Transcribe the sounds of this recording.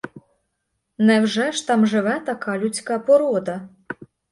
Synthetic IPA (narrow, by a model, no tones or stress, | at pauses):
nɛwʒɛʃt̪ɑmʒɪʋɛt̪ɐkɑlʲʊt͡sʲkɑpɔɾɔd̪ɐ